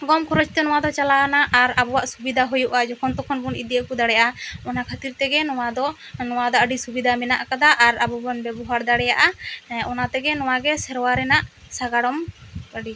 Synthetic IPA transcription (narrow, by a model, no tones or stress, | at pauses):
ɡɔmkʰɔɾɔt͡ʃt̪ɛnɔwad̪ɔt͡ʃalanaʔaɾabuwaʔsubid̪ʱaɦujuʔad͡ʒɔkʰɔnt̪ɔkʰɔnbunid̪iakud̪aɽɛjaʔaɔnakʰat̪iɾt̪ɛɡɛnɔwad̪ɔ | nɔwad̪ɔʔəɖisubid̪ʱamɛnaʔkad̪aʔaɾabubɔnbɛbɔɦaɾd̪aɽɛjaʔaɔnat̪ɛɡɛnɔw̃aɡɛsɛɾwaɾɛnaʔ | saɡaɽɔməɖi